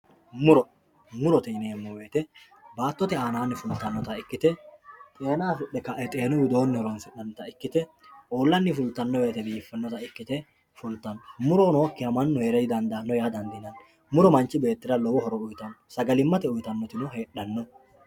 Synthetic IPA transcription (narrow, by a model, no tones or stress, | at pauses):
mʊɾɔ | mʊɾɔt̪ɛɪneːmːɔweːt̪ɛ | baːt̪ːɔt̪ɛaːnaːnːɪfʊlt̪ːɐnːɔt̪ɐɪkːɪt̪ɛt̪ʼe̞ːnaːsʊɗɛkɐʔɛt̪ʼe̞ːnʊwɪd̪o̞ːnːɪhɔɾɔnsɛɗɐnːɔt̪ɐɪkːɪt̪ɛ | ʔoːlːɐnːɪfʊlt̪ːɐnːɔweːt̪ɛbiːfːɛnːɔt̪ɐɪkːɪt̪ɛ | fʊlt̪ːɐnːɔmʊɾɔnɔwkːɪhɐmɐnːɔheːɾɛjd̪ɐnd̪ɐːnːɔjaːd̪ɐnd̪ɪnɐn | mʊɾɔmɐnt͡ʃːɪbe̞ːt̪ːɪɾɐlɔwɔhɔɾɔʊjt̪ɐnːɔsɐɡɐlɪmːɐt̪ɛʊjt̪ɐnːɔt̪ɪnʊhe̞ːɗːɐnːɔ